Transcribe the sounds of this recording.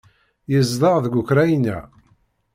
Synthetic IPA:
jəzðˤɑʁðɡʷukɾæjnæ̰

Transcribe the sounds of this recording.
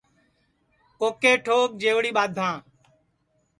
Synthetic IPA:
koːkeːʈʰoːk̚d͡ʒeːʋɽiːɓaːd̪ʱãː

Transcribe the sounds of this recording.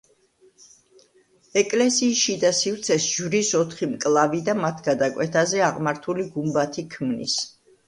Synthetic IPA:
ɛkʼlɛsiːsʃid̪asivɾt̪sʰɛsʒvɾisɔt̪ʰχimkʼlˠavid̪amat̪ʰɡ̥ad̪akʼwɛt̪ʰazɛaʁmaɾt̪ʰuliɡumbat̪ʰikʰmnḭs

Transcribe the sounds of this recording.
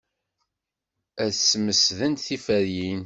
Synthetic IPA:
æθsməsðənt̪θifæɾjin

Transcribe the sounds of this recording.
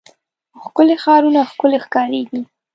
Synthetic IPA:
xkʊlexɑɾunaxkʊlexkɑɾeɡi

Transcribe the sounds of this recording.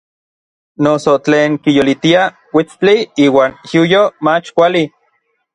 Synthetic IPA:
nosot͡ɬeːŋkijolit̪ia | wit͡st͡ɬiiːwaːnjujomat͡ʃkʷali

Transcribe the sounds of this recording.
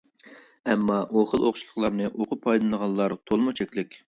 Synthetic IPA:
ɛmːɑʔoχəlˠoχʃilˠəχlˠɑɾnɨʔoqʰʊpʰːɑjlˠɨnəʁɑnˠlːˠɑɾt̪ʰolˠmut͡ʃʰɛkʲlɪkʲ

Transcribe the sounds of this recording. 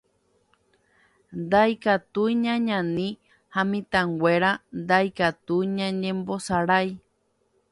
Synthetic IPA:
nd̪ajkat̪ujɲãɲãnĩ | hãmĩt̪ãŋɡʷeɾand̪ajkat̪uɲãɲẽmbosaɾaj

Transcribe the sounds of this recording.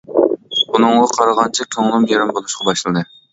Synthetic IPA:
unɨŋʁɑqʰɑɾɑʁɑnt͡ʃʰɛkʲʰøŋlˠɨmjeɾɪmbolˠuʃqʰɑbɑʃlˠɨnɨ

